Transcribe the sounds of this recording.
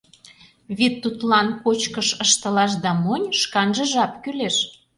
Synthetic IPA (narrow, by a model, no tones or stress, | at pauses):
βet̪ːut̪lɑnpot͡ɕkəʃəʃt̪ə̆lɑʃ̬d̪ɑmonʲʃkɑnʒəʒɑpkyleʃ